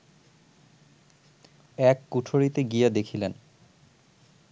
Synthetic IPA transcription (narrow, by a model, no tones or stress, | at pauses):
ɛkːuʈʰoɾit̪eɡijad̪ekʰilen